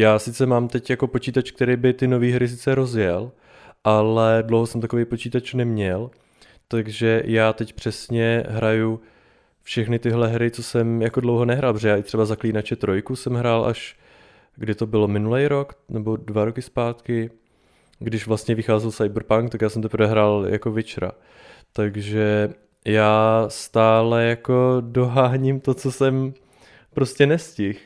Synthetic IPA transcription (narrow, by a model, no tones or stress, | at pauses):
jaːsɪt͡sɛmaːmt̪ɛcjako̞po̞t͡ʃiːt̪at͡ʃk̚t̪ɛɾejbɪt̪ɪno̞viːɦɾɪs̬ɪt͡sɛɾo̞zjɛl | ʔalɛdlowɦosɛmt̪akovejpot͡ʃiːt̪at͡ʃunɛmɲɛl | t̪aɡʒɛjaːt̪ɛcpr̥ɛsɲɛɦɾaju | fʃɛxnɪt̪ɪɦlɛɦɾɪt͡so̞sɛmjakodlowɦonɛɦɾaːlˠpɾoʒɛjaːʔɪt̪r̝ɛbazakliːnat͡ʃɛt̪ɾo̞jkusɛmɦɾaːlʔa̰ʃ | ɡdɪt̪o̞bɪlo̞mɪnulɛjɾo̞knɛbo̞dvaɾo̞kɪspaːt̪kɪ | ɡdɪʃvlast̪ɲɛvɪxaːzɛlsajbɾpaŋkt̪akjaːsɛmt̪ɛpɾvɛɦɾaːljakovɪt͡ʃɾa̰ | t̪aɡʒɛ | jaːst̪aːlɛjako̞do̞ɦaːɲɪmt̪ot͡sosɛm | pɾoscɛnɛscɪx